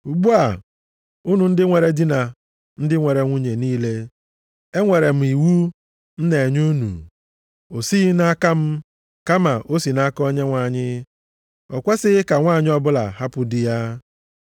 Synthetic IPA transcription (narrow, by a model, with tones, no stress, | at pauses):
u˨ɡ͡bu˦a˨ | u˦nu˨n̩˦dɪ˦ŋʷe˨ɾe˨di˦na˨ | n̩˦dɪ˦ŋʷe˨ɾe˨ŋʷu˦ɲe˨niː˦le˦ | e˦ŋʷe˨ɾe˨m̩˨i˨wu˦ | n̩˦ne˨ɲu˦nṵ˨ | o˨si˦na˦ka˦m̩˦ | ka˦ma˨ʔo˦si˨na˦kɔ˦ɲe˦ŋʷa˨ɲɪ˦ | ɔ̰˨kʷe˦sɪ˦ɪ˦ka˨ŋʷa˦˨ɲɪ˦ɔ˦bʊ˦la̰˨ha˦pʊ˨dɪ˦ja˦